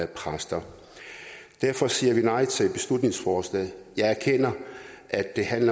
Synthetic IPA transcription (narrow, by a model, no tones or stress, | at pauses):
æpʰʁasd̥ɐ | d̥æɐfɒ̽siːɐʋinɑ̈ɪt͡sʰe̝lb̥e̝slud̥ne̝ŋsfɒːslɛ̰ːɪjɑ̈ɪæɐkʰen̰ɐ | ʔæd̥ːe̝hænlɐ